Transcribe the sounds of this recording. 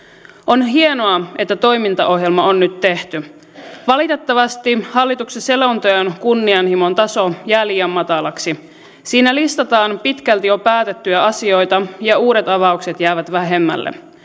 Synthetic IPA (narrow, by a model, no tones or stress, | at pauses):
ʔonɦie̞no̞ɑet̪ːæt̪o̞jmint̪ɑʔo̞ɦje̞lmɑonːyt̪ːe̞ht̪y | ʋɑlit̪e̞t̪ːɑʋɑst̪ihɑlːit̪uksese̞lont̪ojɑnkunːiɑnhimo̞nt̪ɑso̞jælijæmːɑt̪ɑlɑksi | siːnælist̪ɑt̪ɑːnpit̪kælt̪ijo̞pæːt̪et̪ːyæɑsio̞jt̪ɑjɑuːɾet̪ɑʋɑukse̞t̪jæːʋæt̪ʋæɦe̞mːæ̰lːḛ